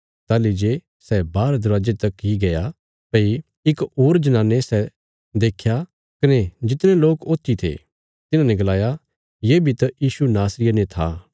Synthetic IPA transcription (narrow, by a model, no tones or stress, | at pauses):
t̪aːlid͡ʒe | sɛbaːɾd̪ɐɾaːd͡ʒet̪ɐkiɡɐja | pɐi | ɪkoːɾd͡ʒɐnãːnːesɛ | d̪eːkʰja | kɐned͡ʒɪt̪nẽloːkoːt̪ːit̪ʰḛ | t̪ɪnãnɛ̃ɡɐlaːja | jeːbʱit̪ɐjiːsunaːsɾɪjənẽt̪ʰa̰